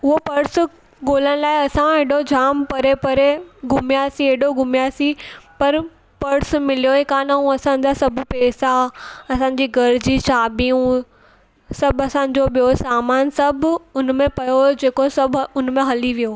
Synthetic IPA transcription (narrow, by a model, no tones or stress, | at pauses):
ʊɦopɐɾs | ɠoːləɽ̃̆laːɪɐsãeɽod͡ʑaːmpɐɾepɐɾeɡʱʊmijasieɦɗoɡʊmjasipɐɾ | pɐɾsmɪlijoekaːnaũɐsãːɲ̆d͡ʑasɐbpeːsaɐsãːɲ̆d͡ʑiːɡʱɐɾd͡ʑiːt͡ɕʰaːbijũ | sɐbʱɐsãːɲ̆d͡ʑoɓijosaːmaːnsɐbʱʊnmẽpɐjod͡ʑeːkosɐbʱʊnmẽɦɐliʋijo